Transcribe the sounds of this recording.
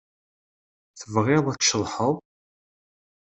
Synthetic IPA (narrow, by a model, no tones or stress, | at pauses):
θəvʁɪðˤæt͡sʃəlˤħəðˤ